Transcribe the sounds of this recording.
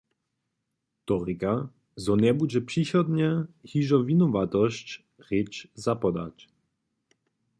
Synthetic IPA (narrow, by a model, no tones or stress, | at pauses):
t̪ɔɾika | zɔnɛbud͡ʑɛpʂiɕɔd̪ɲɛhiʐɔvʲinɔvat̪ɔɕt͡ɕ | rɪt͡ʃzapɔd̪a̰t͡ɕ